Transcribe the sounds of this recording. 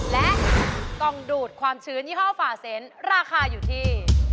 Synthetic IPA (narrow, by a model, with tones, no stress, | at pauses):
lɛ˦˥ʔk̪ɔ˧˩ŋduː˨˩t̪̚kʰwaː˧mt͡ɕʰɯː˦˥njiː˥˩aː˥˩wfaː˧se˨˦˥nɾaː˧xʰaː˧juː˨˩t̪ʰiː˥˩